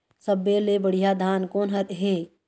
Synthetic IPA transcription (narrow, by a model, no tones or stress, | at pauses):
səbːelebəɽ̤ijad̪ʱaːnkoːnɦɐɾɦeː